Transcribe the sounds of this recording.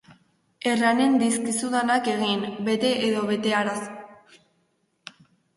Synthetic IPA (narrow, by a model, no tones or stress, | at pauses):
e̞rane̞nd̪iskisuðanake̞ɣinbe̞t̪e̞ʔeðo̞βe̞t̪e̞aɾas